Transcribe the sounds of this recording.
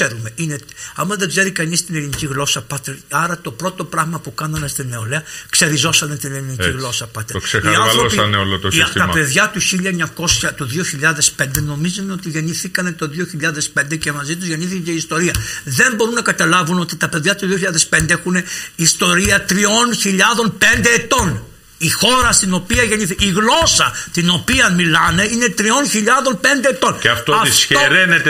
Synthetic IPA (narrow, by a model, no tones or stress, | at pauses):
eɾume̞ineɐmɐzðe̞ɡze̞ɾikɐnist̪ineliniciɣlo̞sɐpɐt̪eɾɐɾɐt̪o̞pɾo̞t̪o̞pɾɐɣmɐpukɐnɐnest̪ine̞o̞leɐkse̞ɾizo̞sɐnet̪ineliniciɣlo̞sɐpɐt̪ekseiɐoosneolot̪ost̪t̪ɐpe̞ðʝɐt̪uçiʎɐɲɐko̞sçɐt̪uðio̞çiʎɐðe̞spe̞nd̪e̞no̞mizuneo̞t̪iʝe̞niθikɐne̞t̪o̞ðio̞çiʎɐðe̞spe̞nd̪ecemɐzit̪̬uzʝe̞niθikɐceist̪o̞ɾiɐðe̞mbo̞ɾunɐkɐt̪ɐlɐvuno̞t̪it̪ɐpe̞ðʝɐt̪uðio̞çiʎɐðespe̞nd̪eexuneist̪o̞ɾiɐt̪ɾio̞nçiʎɐðo̞npe̞nd̪e̞ːt̪o̞n | ixo̞ɾɐst̪ino̞piɐʝe̞ɲiθiiɣlo̞sɐt̪ino̞piɐmilɐne̞ine̞t̪ɾio̞nçiʎɐðo̞npe̞nd̪eːt̪o̞neɐft̪oɐifsçeɾenet̪e